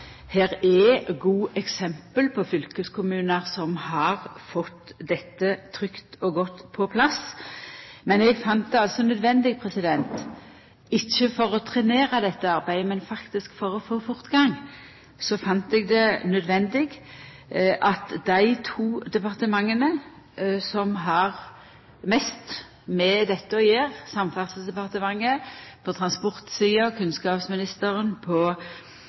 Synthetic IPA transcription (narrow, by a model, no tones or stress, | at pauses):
hæːʁɛɡuːʔɛksɛmpəlpʰɔfʏlkəskʊmʉːnəʁsɔmhɑʁfɔt̪ːd̪ɛt̪ːət̪ʰʁʏkt̪ɔɡɔt̪ːpʰɔpʰlɑs | mɛnɛɡfɑnt̪̚d̪ɛɑlsɔnœd̪ʋɛnd̪ɪɡ̚pʰʁɛsɪd̪ɛnt̪ | ɪçːəfɔʁɔt̪ʰʁɛneːʁəd̪ɛt̪ːəɑʁbæɪd̪əmɛnfɑkt̪ɪskfɔʁɔfoːfʊʁt̪ɡɑŋ | sɔfɑnt̪ɛɡ̚d̪ɛnœd̪ʋɛnd̪ɪɡ | ʔɑt̪d̪æɪt̪ʰuːd̪ɛpɑʁt̪əmɑŋːənə | sɔmɦɑʁ | mɛst̪ | mɛd̪ɛt̪ːəɔjeːʁsɑmfɑʁsəsd̪ɛpɑʁt̪əmɑŋːəpʰɔt̪ʰʁɑnspɔʁt̪siːɑkʰʉnskɑːpsmɪnɪst̪əɾənpʰɔ